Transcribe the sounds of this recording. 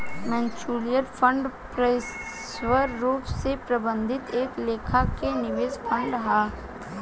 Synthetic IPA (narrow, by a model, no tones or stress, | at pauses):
mɛ̃ːnt͡ʃuːlijəɾpʰə̃ɳɖpɾeɪs | wəɾːuːpsepɾɐbə̃nd̪ʱɪt̪eːkleːkʰakenɪʋeːzpʰə̃ɳɖɦaː